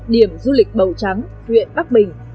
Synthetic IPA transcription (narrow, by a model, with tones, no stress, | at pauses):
ɗi˧˩əmzu˧lï˨˩k̟̚ɓə˨˩wt͡ɕa˨˦ŋ | hwḭ˧˨ənɓa˦˥k̚ɓï˨˩ŋ̟